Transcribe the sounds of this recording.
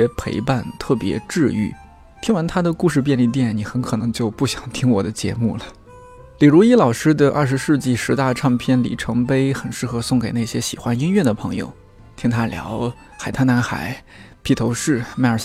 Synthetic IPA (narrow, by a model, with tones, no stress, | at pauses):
pʰḛ˧˥ɪpa˥˧nt̪ʰɤ˥˩pjɛ̰˧˥ʈ͡ʂɻ̩˥˧y̰˥˩ | t̪ʰi˥ŋwa˧˥nt̪ʰa˥d̪ə˨ku˥˧ʂɻ̩˥˧p̬jɛ˥˧nli˥˧t̪̬jɛ˥˩nni˨˧˥xə˧˥nkʰɤ˨˩nɤ˧˥ŋt͡ɕjo˥˧ʊpu˥˩ɕjɑ˨˩ŋt̪ʰi˥ŋwɔ˨˩d̪ə˦t͡ɕjɛ̰˧˥mṵ˥˩lə˩ | li˨˩ɻu˧˥i˥lɑ˨˩ʊʂɻ̩˥d̪ə˨ʔɐ˥˩ʂ̬ɻ̩˧˥ʂɻ̩˥˧t͡ɕi˥˩ʂɻ̩˧˥t̪a˥˧ʈ͡ʂʰɑ˥˧ŋpʰjɛ˥˩nlḭ˨˩ʈ͡ʂʰɤ˧˥ŋpe˥ɪxə˨˩nʂɻ̩˥˩xɤ˧˥sʊ˥˩ŋke˨˩ɪna˥˩ɪɕjɛ˥ɕi˨˩xwa˧˥ni˥nɥɛ˥˩d̪ə˩pʰɤ˧˥ŋjo̰˧ʊ | t̪ʰi˥ŋt̪ʰa˥ljɑ̰˧˥ʊ | xa˨˩ɪt̪ʰa˥na˧˥nxa̰˨˩˦ɪ | pʰi˥˩t̪ʰo˧˥ʊʂɻ̩˥˩ma˥˩ə˞˨˩